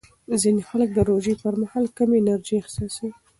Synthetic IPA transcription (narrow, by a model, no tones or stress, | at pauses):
zinexalək̚d̪əɾoʒepəɾmahɑlkəmenaɾd͡ʒiaxsɑsawi